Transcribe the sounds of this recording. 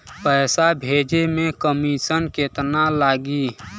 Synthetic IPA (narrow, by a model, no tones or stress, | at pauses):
pəːsabʱeːd͡ʒemẽkəmisənket̪nalaːɡi